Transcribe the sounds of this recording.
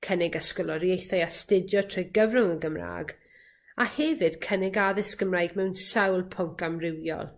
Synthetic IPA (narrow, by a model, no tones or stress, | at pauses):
kʰənɪɡəskɔlˠɔɾjejθajastɪdjɔtʰrɔjɡəvrʊŋəɡəmra̰ːɡ | ahɛvɪd̥kʰənɪɡaðɪsɡ̥əmraːjɡmɛwnsɛwlˠpʰɔŋkamrɪwjɔ̰lˠ